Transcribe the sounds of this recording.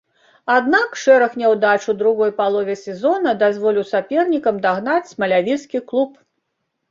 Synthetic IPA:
ad̪nakʂɛɾɐxnʲɛwd̪at͡ʂud̪ɾuɣɔjpalˠɔvʲɛsʲɛzɔnɐd̪azvɔlʲiwsapʲɛrnʲikɐmd̪aɣnat͡sʲmɐlʲavʲiskʲiklˠup

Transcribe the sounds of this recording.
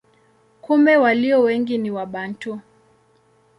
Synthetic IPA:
kumbɛwaliɔwɛŋɡiniwaɓantu

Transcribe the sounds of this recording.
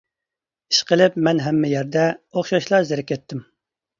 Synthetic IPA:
i̥ʃqəlˠɪpmɛnɦɛmːɛjɛɾd̪ɛoχʃɑʃlˠɑzɪɾɛkʲɛt̪ʰːɪm

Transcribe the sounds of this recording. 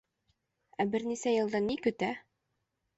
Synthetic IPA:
æbɘɾnisæjɤ̆lˠd̪ɑnːikɵ̆t̪æ

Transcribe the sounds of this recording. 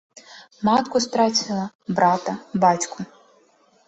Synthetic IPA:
mat̪kʊst̪ɾat͡sʲilˠɐ | bɾat̪ɐbatʲkʰʊ

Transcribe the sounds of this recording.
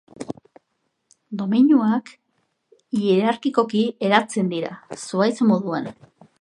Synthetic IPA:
d̪o̞miɲuak | ieɾaɾkiko̞kie̞ɾat͡se̞nd̪iɾa̰suajt͡somo̞ðuan

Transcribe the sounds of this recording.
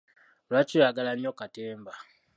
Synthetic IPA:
lat͡ʃujaɡalanokateːmba

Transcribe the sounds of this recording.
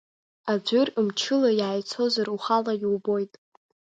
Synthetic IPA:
ad͡ʒʷʊrɨmt͡ʃʰɨlajaːjt͡sʰo̞zaruχalajwbo̞jtʼ

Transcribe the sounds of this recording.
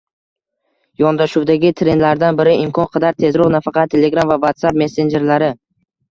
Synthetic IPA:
jɒnd̪aʃuwd̪aɡʲɪt̪ʰɾe̞nlaɾd̪anbɪɾɪɪmkʰɒnqʰɑd̪aɾt̪ʰːe̞zɾɒʁnafɑqʰɑt̪ʰːe̞le̞ɡɾamvavat̪sapme̞se̞nd͡ʒe̞ɾlaɾɪ

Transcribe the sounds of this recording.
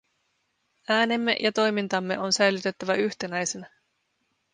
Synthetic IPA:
æːne̞mːe̞̰ʔjʔɑt̪o̞jmint̪ɑmːe̞ʔo̞nsæjlyt̪e̞t̪ːæʋæʔyçt̪e̞næjsenæ

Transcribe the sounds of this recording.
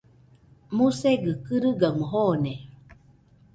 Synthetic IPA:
museɡɯkɯɾɯɡaməɦone

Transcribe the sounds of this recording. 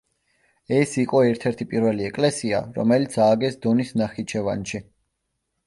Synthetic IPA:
ɛsiqʼɔɛɾt̪ʰɛɾt̪ʰipʼiɾvɛliɛkʼlɛsia̰ɾɔ̰mɛlit̪sʰaːɡɛsd̪ɔnisnaχit͡ʃʰɛvanʃi

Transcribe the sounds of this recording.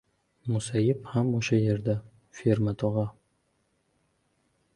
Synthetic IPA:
mʊsajɪphamoʃaje̞ɾd̪a | feɾmat̪ʰɒʁɑ

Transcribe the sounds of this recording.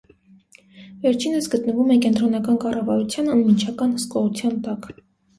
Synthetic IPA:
vɛɾt͡ʃʰinəsɡət̪nəvumɛkɛnt̪ɾɔnɑkɑnkɑrɑvɑɾut͡sʰjɑnənmint͡ʃʰɑkɑnhəskɔʁut͡sʰjɑnt̪ɑk

